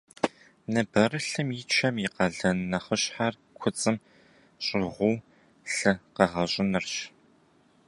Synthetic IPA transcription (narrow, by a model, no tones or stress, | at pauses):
nɐbɐrɨɬɨmit͡ʃʰɐmiqɐɮɐnɐχəɕħar | kʷʰʊt͡sʼɨm | ɕʼɪʁʷʊː | ɬɨqɐʁɐɕʼɪnɨrɕ